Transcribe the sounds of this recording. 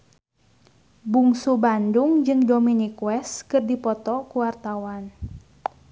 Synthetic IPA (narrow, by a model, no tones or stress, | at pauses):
buŋsubanduŋd͡ʒɨŋdominikwɛskɨrdipɔt̪ɔkuwart̪awan